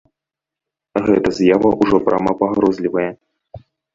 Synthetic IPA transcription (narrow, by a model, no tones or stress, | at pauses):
ɣɛt̪ɐzʲjavɐʔuʐɔpɾʔamapaɣɾɔzʲlʲivɐjɛ